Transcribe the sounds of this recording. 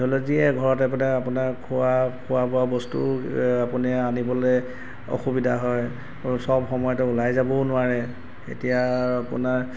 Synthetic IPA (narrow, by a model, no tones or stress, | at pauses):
ɦolɔziɛɡʱɔɹɔtɛpunaapunaɹkʰuakʰʊwabɔabɔstṵapunɛanibɔlɛ | o̰xubidʱaɦɔj | sɔbxɔmɔjɔtɛulajzabɔnʊaɹɛ | ḛtijaapʊ̰naɹ